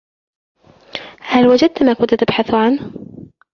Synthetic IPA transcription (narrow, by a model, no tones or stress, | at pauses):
halwad͡ʒad̪̚t̪maːkʊnt̪t̪ɪbħaθʕan